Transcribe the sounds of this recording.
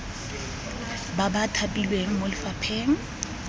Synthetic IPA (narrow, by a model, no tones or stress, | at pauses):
babatʰapʼilweŋ̩molɪfapʰeːŋ̩